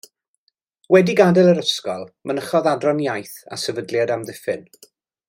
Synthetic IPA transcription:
wɛdiɡadɛlˠəɾəskɔlˠmʔənəχɔðadrɔnjajθa̰sɛvədljadamðɪfɪn

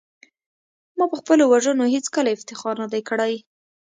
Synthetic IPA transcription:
mɑpəxpəlowaʒənoɦet͡skəlaɪft̪ɪxɑɾnad̪ajkəɽaj

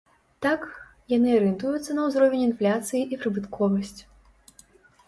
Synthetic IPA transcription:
t̪ak | janɨɐɾɨnt̪ujut̪sːɐnɐwzɾɔvʲɛnʲinflʲat̪sɨjiʔipɾɨbɨt̪kʰɔvɐsʲt͡sʲ

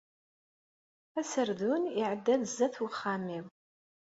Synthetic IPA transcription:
æsərðuniʕəd̪ːɐðzɐθwʊχamiw

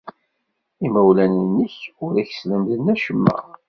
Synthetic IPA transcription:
imæwlænənːəçʊɾæç̥sləmðənːæʃəmːæ̰

